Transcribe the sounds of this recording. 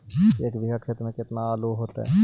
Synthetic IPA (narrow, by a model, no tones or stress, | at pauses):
eːkʋɪɦakʰeːt̪ɾmẽkɪt̪naaːloɦoːt̪a̰ɦɛ̰